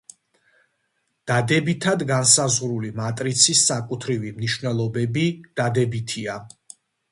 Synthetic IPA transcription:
d̪̥ad̪ɛbit̪ʰad̪ɡansazʁɾulimat̪ʼɾit̪sʰisːakʼut̪ʰɾivimniʃwvnɛlˠɔbɛbid̪̥ad̪ɛbit̪ʰia

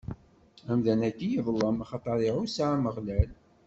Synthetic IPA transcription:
æmðænækːijiðˤlːəmɑχɑt̪ˤːɑɾˤiɾusaʕaməʁlæl

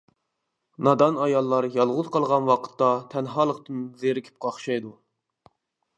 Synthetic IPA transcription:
nɑd̪ɑnɑjɑlˠːɑɾjɑlˠʁʊz̥qʰɑlˠʁɑnwɑqʰə̥t̪ːɑt̪ʰɛnɦɑːlˠəqt̪ɨnzeɾɪkʲʰi̥p̚qʰɑχʃɑjd̪u

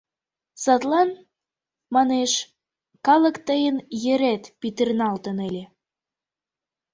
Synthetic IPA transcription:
sɑt̪lɑn | mɑneʃ | kɑlə̆kt̪əjənjĕɾæt̪pit̪ernɑlt̪ənelʲe

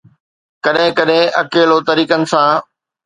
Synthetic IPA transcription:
kɐɗɦɪ̃kɐɗɦɪ̃ʔɐkeːlot̪ɐɾiːkənɪ̆sãː

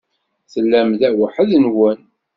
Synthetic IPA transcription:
θəlːæmðæwəħəðnwən

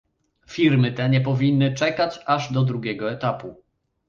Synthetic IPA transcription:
fʲiɾmɘt̪ɛɲɛp̬ɔvʲinːɘt͡ʂɛkat͡ɕaʐd̪ɔd̪ɾuɡʲɛɡɔɛt̪apu

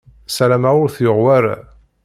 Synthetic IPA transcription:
sælæmæʊɾθjʊʁwæɾa

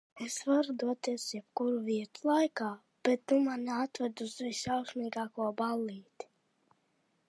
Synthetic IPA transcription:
esvaɾud̪uɔt̪iɛsjɛbkuɾuviɛt̪u̥lˠajkaː | b̥et̪numanaat̪vad̪uzvisawksmiːɡaːkuɔbalˠiːt̪i̥

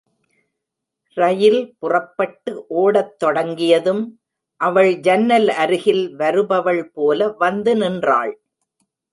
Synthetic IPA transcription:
ɾɐjɪlpʊrɐpːɐʈːɯʔoːɽɐt̪ːɔɽɐŋɡɪjɐðɯm | ʔɐʋɐɭd͡ʒɐnːɐlɐɾɯɣɪlʋɐɾɯbɐʋɐɭpoːlɐʋɐnd̪ɯnɪndra̰ːɭ

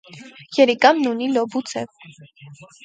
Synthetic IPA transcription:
jɛɾikɑmnunilɔbut͡sʰɛv

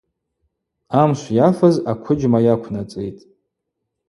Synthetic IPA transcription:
amʃʷjafazakʷʰʊd͡ʒmajakʷʰnat͡sʼḛjtʼ

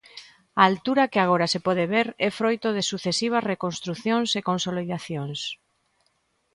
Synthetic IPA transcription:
aːlt̪uɾakeaɣ̞oɾasepɔð̞eβeɾɛfɾojt̪oðesuθesiβ̞azrekonst̪ɾuθjoŋsekonsoliðaθjoŋs

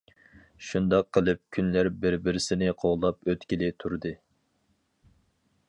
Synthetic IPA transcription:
ʃund̪ɑqʰːəlˠɨp̚kʲʰynlæɾbɪɾbɪɾɪsɪnɪqʰoʁlˠɑpøt̪kʲilɪt̪ʰuɾd̪ɨ

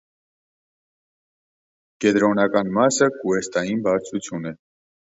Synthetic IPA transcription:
kɛd̪ɾɔnɑkɑnmɑsəkuɛst̪ɑjinbɑɾt͡sʰut͡sʰjunɛ

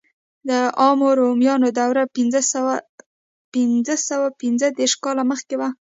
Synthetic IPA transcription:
d̪əʔɑmoɾomjɑnod̪awɾa | pɪnzəsəwapɪnzəd̪eɾʃkɑlaməxkewa

